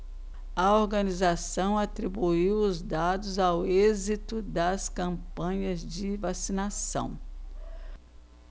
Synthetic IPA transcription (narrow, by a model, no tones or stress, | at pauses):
ɐoɾɡɐnizasɐ̃w̃at̪ɾibuiwʊzd̪ad̪ʊzawezit̪ʊd̪ɐskɐ̃mpɐ̃ɲɐzd͡ʒɪvasinasɐ̰̃w̃